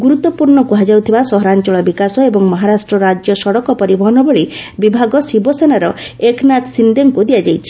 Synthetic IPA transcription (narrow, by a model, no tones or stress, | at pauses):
ɡuɾut̪ːɔpuɾɳɔkuɦad͡ʒawt̪ʰibasɔɦɔɾant͡ʃɔɭɔbikasɔebɔŋmɔɦaɾasʈɾɔɾad͡ʒjɔsɔɽɔkɔpɔɾibɔɦɔnɔbɔɭibibʱaɡɔsibɔsenaɾɔ | eknat̪sind̪eŋkud̪iad͡ʒajt͡ʃʰi̥